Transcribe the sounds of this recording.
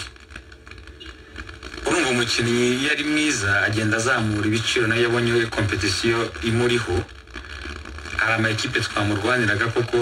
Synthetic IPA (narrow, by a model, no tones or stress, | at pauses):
uɾuːmvomucinijaɾimŋiːzaːɟe̞ːndazaːmuɾiβit͡ʃiɾo̞najaβoɲewekʰo̞mpe̞tisijo̞imuɾiho̞ | aɾamaeciːpe̞twaːmuɾɡwaːniɾaɡako̞ko̞